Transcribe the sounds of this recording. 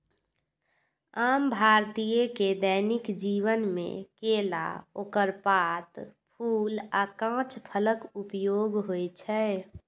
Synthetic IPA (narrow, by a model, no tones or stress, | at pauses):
aːmbʱaɾt̪ijeked̪ɛnikd͡ʒiʋənmḛ̃kela̰oːkəɾpat̪pʰuːlakãt͡ʃʰpʰələkupjoɡɦojt͡ʃʰɛ